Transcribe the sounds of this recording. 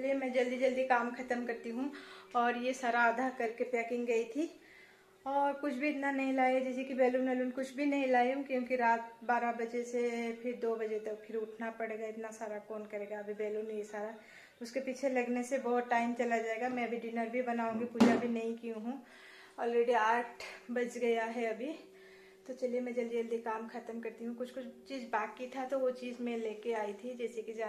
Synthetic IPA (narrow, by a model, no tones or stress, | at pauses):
liemɛ̃ːd͡ʒɐld̪id͡ʒɐld̪ikaːmkʰɐt̪əmkɐɾt̪iɦũɔːɾjesaːɾaːd̪ʱakɐɾkepɛːkɪ̃ŋɡɡɐit̪ʰi | ɔːɾkʊt͡ʃʰbʱiɪt̪nanɐɦĩlaːiad͡ʒɛsikibɛːluːnɛːluːnkʊt͡ʃʰbʱinɐɦĩlaːiɦũkjõːkiɾaːt̪baːɾabɐd͡ʒesepʰɪɾd̪oːbɐd͡ʒet̪ɐk̚pʰɪɾʊʈʰnapɐɽeːɡaɪt̪nasaːɾakɔːnkɐɾeːɡaɐbʱibɛːluːnjesaːɾa | ʊskepiːt͡ʃʰelɐɡnesebɔːt̪ʈaːɪmt͡ʃɐlad͡ʒaːeɡamɛ̃ɐbʱiɖɪnəɾbʱibɐnaːũːŋɡipuːd͡ʒabʱinɐɦĩkijũɦũ | ɔːlɾeːɖiaːʈʰbɐt͡ʃɡɐjaɦɛɐbʱi | t̪ot͡ʃɐliemɛ̃d͡ʒɐld͡ʒeld̪ikaːmxɐt̪əmkɐɾt̪iɦũkʊt͡ʃʰkʊt͡ʃʰt͡ʃiːzbaːt̪̚kit̪ʰat̪oʋot͡ʃiːzmẽleːkeaːit̪ʰid͡ʒɛːsekid͡ʒa